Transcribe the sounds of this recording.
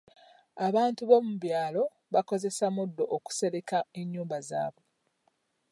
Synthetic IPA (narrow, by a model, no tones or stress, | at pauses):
aβaːntuβo̞muβjaːlo̞ | βako̞ze̞samudːo̞ʔːku̥se̞ɾe̞kae̞ɲːuːmbaza̰ːβwe